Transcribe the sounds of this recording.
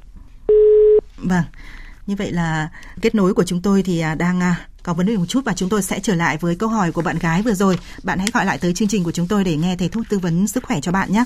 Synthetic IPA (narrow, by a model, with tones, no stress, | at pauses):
va˧˩ŋɲɨ˧və̰˧˨jlaː˨˩ke˦˥t̚no˨˦jku˧˩ət͡ɕʊ˨˦ŋ͡mt̪o˧jt̪ʰi˨˩ʔaː˨˩ɗaː˧ŋʔaː˧ | kɔ˨˦və˨˦nɗe˨˩mo˨˩t̚t͡ɕu˦˥t̚vaː˨˩t͡ɕʊ˨˦ŋ͡mt̪o˧jsɛ̰˧˥t͡ɕəː˧˩la̰ː˧˨jvəː˨˦jkə˧wɦɔ˧˩jku˧˩əɓa̰ː˧˨nɣaː˨˦jvɨ˨˩əzo˨˩j | ɓa̰ː˧˨nha̰˧˥jɣɔ˧˩jla̰ː˧˨jt̪əː˨˦jt͡ɕɨ˧ŋt͡ɕï˨˩ku˧˩ət͡ɕʊ˨˦ŋ͡mt̪o˧jɗe˧˩ŋɛ˧t̪ʰə˨˧˦t̪ʰu˦˥t̚t̪ɨ˧və˨˦nsɨ˦˥k̚xwɛ˧˩t͡ɕɔ˧ɓa̰ː˧˨nɲaː˦